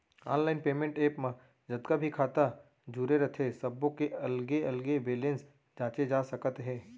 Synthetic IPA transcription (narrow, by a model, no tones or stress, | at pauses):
a̰ːnlaːɪnpeːmẽɳʈeːpmã | d͡ʒɐd̪kabʱikʰaːt̪a | d͡ʒuɾeɾɐt̪ʰesɐbõkeɐlɡeɐlɡeʋeːlə̃ns | d͡ʒãːt͡ʃed͡ʒaːsɐkət̪ɦɛ̃ː